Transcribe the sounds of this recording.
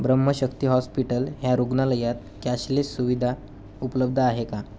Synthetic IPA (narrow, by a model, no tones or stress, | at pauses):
bɾəmːəɕəkt̪iːɦɔspiʈəlɦjaɾuɡnaləjat̪̚ | kjaɕlesuʋid̪ʱa | upələb̚d̪ʱəaɦeka